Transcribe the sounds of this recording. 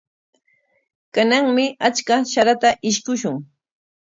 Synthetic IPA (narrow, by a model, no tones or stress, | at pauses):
kanaŋmɪat͡ʃkaʃaɾat̪aʔɪʃkʊʃʊŋ